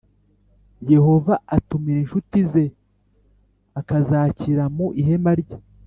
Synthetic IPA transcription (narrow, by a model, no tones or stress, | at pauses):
je̞ho̞vaatumiɾenʃutize̞ | akazaːciɾamuʔiɦe̞maɾɟa